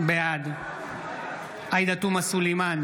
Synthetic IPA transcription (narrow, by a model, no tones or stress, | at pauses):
bead̪u | ajd̪at̪umasuliman